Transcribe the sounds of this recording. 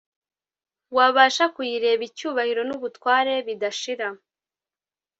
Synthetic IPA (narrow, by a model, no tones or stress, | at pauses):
waβaːʃakujiɾe̞ːβicuːβahiɾo̞nuβutwaːɾe̞βidaʃiɾa